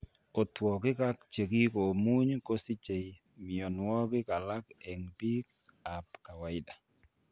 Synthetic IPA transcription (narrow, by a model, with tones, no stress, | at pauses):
o˨twɔ˨kɪ˦ka˦kt͡ʃe˨ki˦ko˨mu˦ɲko˦si˦t͡ʃe˨j | mɪ˨ɔ˨nwɔ˦kɪ˦ka˨la˦kɛ˨ŋpi˦k | a˨pka˨wa˨ɪ˦da˨